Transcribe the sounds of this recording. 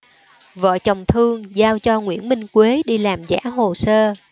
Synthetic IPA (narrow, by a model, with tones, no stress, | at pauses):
və̰ː˧˨t͡ɕɔ˨˩wŋ͡mt̪ʰɨ˧əŋzaː˧wt͡ɕɔ˧ŋwḭ˧˥ənmï˧ŋ̟kwe˨˦ɗi˧laː˨˩mza̰ː˧˥ɦo˨˩səː˧